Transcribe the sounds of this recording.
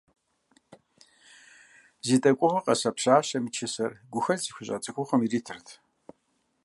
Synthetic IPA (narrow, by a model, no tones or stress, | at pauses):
ziːtʼɐkʷʼʊʁɐqʼɐsɐpɕaːɕɐmit͡ʃʰɪsɐrɡʷʊxɐziːxʷʊɕʼa̰t͡sʼɨxʷʰʼʊχəmiriːtʰɨrtʰ